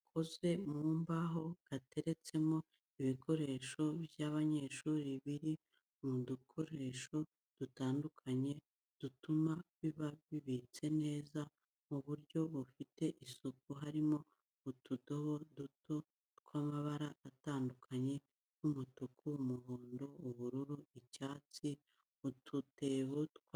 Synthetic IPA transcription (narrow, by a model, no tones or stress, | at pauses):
kʰoze̞muːmbaɦo̞ɡ̥ate̞ɾe̞t͡se̞mo̞ | iβikʰo̞ɾe̞ʃo̞bjaβaɲe̞ːʃuːɾiβiɾi | umudukʰo̞ɾe̞ʃo̞ | d̥utaːndukʰaɲe̞ | d̥utumaβiβaβiβit͡se̞ne̞ːza | muβuɾɟo̞βufite̞ʔisuk̚uɦaɾimo̞ː | tudo̞βo̞duto̞ | tkwamaβaɾaːtaːndukʰaɲe̞ | kumutukʰuumuɦoːndo̞uβuɾuɾuicaːt͡si | utʰute̞βotkw